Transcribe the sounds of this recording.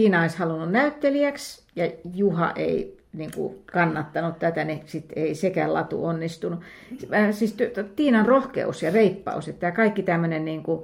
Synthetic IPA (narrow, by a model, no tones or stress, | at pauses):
iːnɑoishɑlununnæyt̪ːeliæksjɑjuhɑ̰ʔḛi | niŋkṵkɑnːɑt̪ːɑnut̪t̪æt̪ænisit̪eisekæ̰lɑ̰t̪ṵonːist̪unuæsiːst̪yt̪t̪iːnɑnrohkḛusjɑreipːɑ̰uset̪t̪ːæjɑkɑikːit̪æmːønenniːŋku